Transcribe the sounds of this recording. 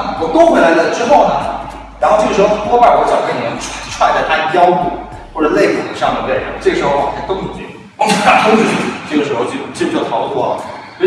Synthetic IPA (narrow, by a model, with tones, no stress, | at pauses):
wɔ˨˩t̪o˥xwe˥la˧˥ɪd̪ə˧ʈ͡ʂɻ̩˥xo˥˩ʊnɐ̰˩ | ɻa˧˥nxo˥˧ʊʈ͡ʂʂɻ̩˧˥xo˥˧˩wɔ˥pa˥˩wɔ˧˥t͡ɕjɑ˨˩knjɛ˧˥nʰ˥ʈ͡ʂʰwd̪t̪a˥˩t͡ɕjɑ˥ʊku˥˩ | xwɔ˥˩ʈ͡ʂə˨˩le˥˩ɪkṵ˨˩d̪ə˦ʂŋ˩d̪ə˨˩le˥˩ɪo̰˧˥˩ʈ͡ʂɤ˥˩ɡə˩ʂɻ̩˧˥xo˥˧˩wɔ˨˩a˥t̪ŋpu˨˩t͡ɕɛ̰˥ | a˨˥˩t̪o˥t͡ɕu˥˧˥ʂ̩˥˧˩ʈ͡ʂɤ˥˩ɡə˩ʂɻ̩˧˥xo˥˧ʊt͡ɕo˥˧˩t͡ɕt͡ɕo˥˩t̪ʰɑ˧˥ʊ˧˩wɔ˥˩lə̰˩sw